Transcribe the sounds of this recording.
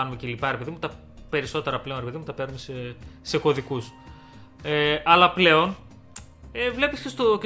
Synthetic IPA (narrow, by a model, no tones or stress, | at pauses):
ɐnumecelipɐɾepe̞ðimut̪ɐ | pe̞ɾiso̞t̪eɾɐple̞onɾepe̞ðimut̪ɐpe̞ɾnumesese̞ko̞ðikus | eʔɐlɐple̞o̞n | evle̞piscest̪o